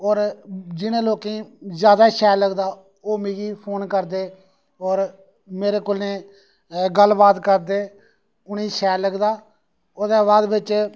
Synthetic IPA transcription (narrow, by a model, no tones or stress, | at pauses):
ɔːɾd͡ʒɪnẽːloːkẽːzjaːd̪aːʃɛːɾləɡd̪aː | oːmẽːɡiːpʰoːnkəɾd̪eː | ɔːɾ | meːɾeːkoːlnẽː | ɡəlbaːt̪kəɾd̪eː | ʊnĩːʃɛːləɡd̪aː | oːd̪eːbaːd̪bɪt͡ʃ